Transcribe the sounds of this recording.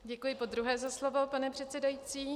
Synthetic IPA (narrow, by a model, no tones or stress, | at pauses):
ɟɛkujɪpo̞d̪ɾuɦɛːzaslo̞vo̞panɛpr̝̥ɛt̪t͡sɛdajiːt͡siː